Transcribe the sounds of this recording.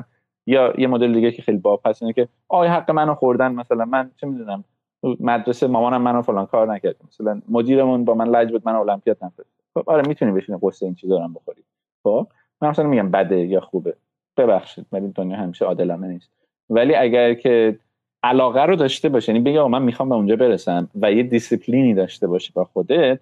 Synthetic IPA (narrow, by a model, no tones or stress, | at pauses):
jɒjemod̪eled̪iːɟecʰexejlibɒːb̚hæsinecʰe̞ | ʔɒːjɦæɡːe̞mænoxoɾd̪ænmæsælænmænt͡ʃʰemid̪unæm | t̪ʰumæd̪ɾe̞semɒːmɒːnæmːænofo̞lɒːnkʰɒːɾnæcʰæɾd̪imæsælænmod̪iːɾe̞munbɒːmænlæd͡ʒbuːd̪mænoolæmpʰijɒːt̪̚ʰnæfoi | xobʔɒɾemiːt̪ʰuniːbeʃiniɡosːeint͡ʃʰiːzɾæmbo̞xoɾi̥ | xob̥ | mænmæslnmiɟʲæmbæd̪ejɒxube | b̥e̞bæxʃiːd̪̥vælid̪onjɒːhæmiːʃeɒːd̪e̞lɒːneniːst̪̚ | væliːæɟæɾcʰe̞ | ʔælɒːɣæɾod̪ɒːʃt̪e̞bɒːʃijænibe̞ɟiɒɣɑmænmixɒmbe̞und͡ʒɒːbe̞ɾesæmvæjed̪isipʰliːniːd̪ɒːʃt̪e̞bɒːʃibɒxo̞d̪e̞t̪̚ʰ